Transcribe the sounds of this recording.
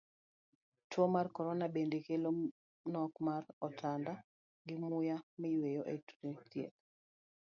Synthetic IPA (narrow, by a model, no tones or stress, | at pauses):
twomarkɔɾɔnabendekelo | nɔkmaɾɔtʰanda | ɡɪmʊjamɪjwejoʔetu̥ɾetjḛt̪̚